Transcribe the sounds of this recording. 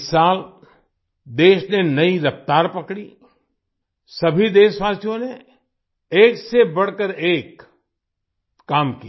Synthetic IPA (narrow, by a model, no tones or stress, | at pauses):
saːl | d̪eːʃnenɐiɾɐft̪aːɾpɐkɽi | sɐbʱid̪eːʃʋaːsijõne | eːksebɐɽ̤kəɾeːk | aːmki